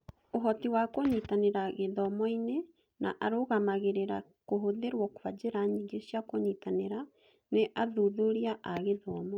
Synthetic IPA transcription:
oɦɔtiwakoɲitaneɾaɣeðɔmɔine | naʔaɾoɣamaɣeɾeɾa̰ | koɦoðeɾwɔkowad͡ʒeɾaɲiɡeʃjakoɲitaneɾa | neʔaðuðoɾiaʔaɣeðɔːmɔ

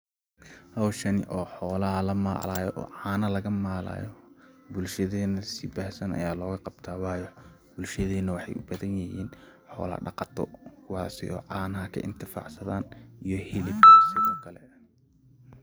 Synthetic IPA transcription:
hɐwʃɐnɪ̰ʔɔːħɔːlɐɦɐlɐma̰ːlaːjɔʔɔ̰ːʕɑːnɐlɐɣɐmaːla̰ːjɔbʊlʃɐðɛːnɐsɪbaːhsɐnɐ̰jaːlɔːɣɐqɑb̚t̪ʰaːwɑːjɔ | bʊlʃɐðɛːnɐwɑħɑjʔʊbɐðɐnjɐhiːn | ħɔ̰ːlɐ̰ɖɑqɑt̪ʰɔkʰʊwɑːsɪ̰ʔɔ̰ːʕɑːnɐɦɐkʰɐ̰ʔɪ̰nt̪ʰɪfa̰ʕsɐðaːnijɔhɪlɪfkʰasɪðɔːkʰɐlɛ

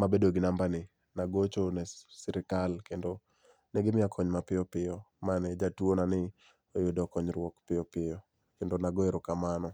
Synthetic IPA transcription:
mabedoɡɪnambanɪ | naɡot͡ʃonɛsɪɾɪkalkendo | nɛɡɪmɪakʰɔɲmapɪjɔpɪjɔmanɛd͡ʒatwonanɪ | ojʊdɔkɔɲɾwɔkpɪjɔpɪjɔ | kendonaɡoeɾokamanɔ

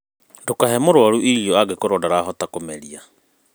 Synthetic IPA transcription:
ndokaɦɛmoɾwaɾuʔiiɔaɡekoɾɔdaɾaɦɔtakomɛɾia

